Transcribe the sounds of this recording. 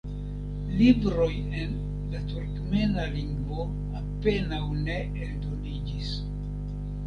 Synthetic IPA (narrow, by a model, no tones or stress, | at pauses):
libɾo̞j | en | latuɾkme̞naliŋɡvo̞ | ape̞nawne̞ | eldo̞nid͡ʒis